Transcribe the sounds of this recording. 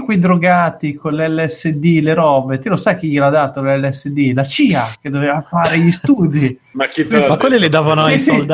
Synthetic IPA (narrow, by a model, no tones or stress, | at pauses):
kwid̪ɾoɡaːt̪ikonleɛlːɛsːed̪ileɾɔːbet̪ilosajk̟iʎelad̪at̪olɛlːɛsːed̪ilat͡ʃiːak̟ed̪ːovevafaːɾeʎist̪uːd̪i | makimakwelːilid̪aːvanoasold̪